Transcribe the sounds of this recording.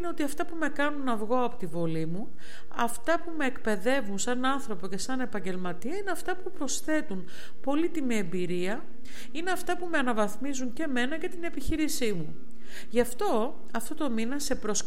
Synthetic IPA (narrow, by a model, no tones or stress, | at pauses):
neo̞t̪iɐft̪ɐpume̞kɐnunɐvɣo̞ɐpot̪ivo̞limu | ɐft̪ɐpume̞ːkpe̞ðe̞vunsɐnɐnθɾo̞po̞ce̞sɐne̞pɐɲɟe̞lmɐt̪iɐineɐft̪ɐpupɾo̞sθe̞t̪un | po̞lit̪imie̞mbiɾiɐ | ineɐft̪ɐpume̞ɐnɐvɐθmizuɲce̞me̞nɐʝɐt̪ine̞piçiɾisimu | ʝɐft̪o̞ | ɐft̪o̞t̪o̞minɐse̞pɾo̞s